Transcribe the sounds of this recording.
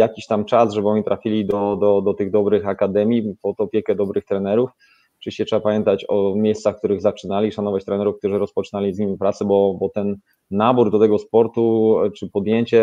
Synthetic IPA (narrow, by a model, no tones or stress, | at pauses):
jakʲiɕt̪amt͡ʂasʐɛbɘɔɲit̪ɾʔafʲilʲid̪ɔd̪ɔd̪ɔt̪ɘɣd̪ɔbɾɘxakad̪ɛmʲipɔt̪ɔpʲjɛkɛd̪ɔbɾɘxt̪ɾɛnɛɾuf | t͡ʂɘɕɛʂɛbapamʲjɛnt̪at͡ɕɔmʲjejst̪saxkt̪uɾɘɣzat͡ʂɘnalʲiʂanɔvat͡ɕt̪ɾɛnɛɾufk̚t̪uʐɘɾɔspɔt͡ʂnalʲizʲɲimʲipɾat̪sɛbɔbɔt̪ɛnː | abuɾd̪ɔt̪ɛɡɔspɔɾt̪ut͡ʂɘpɔd̪jeɲt͡ɕɛ